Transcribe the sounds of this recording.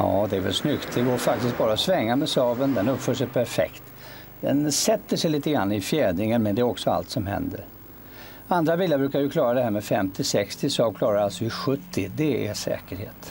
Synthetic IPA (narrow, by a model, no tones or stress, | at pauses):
ɑ̰ːd̪ɛæɾvɛ̰lsnʏkt̪d̪ɛɡoːɾfak̚t̪ɪsk̪̚bɑːɾaɔsvɛŋːamɛsɑːvənd̪ɛnɵpfœːʂɛjpʰæɾfɛ̰kt̪ | d̪̥ɛnsɛt̪ːəʂɛjliːt̪əɡɾanːɪfjɛːd̪nɪŋənmɛnd̪ɛæɾɔksɔa̰lt̪sɔmɦɛ̰nd̪ə̰ɾ | and̪ɾavɪlːabɾʉːkaɾjɵkʰlɑːɾad̪ɛhæːɾmɛfɛmt̪ɪsɛkst̪ɪsɑːvkʰlɑːɾaɾalsɔɪɧɵt̪ʰːɪd̪ɛæ̰ʂɛ̰ːkəɾheːt̪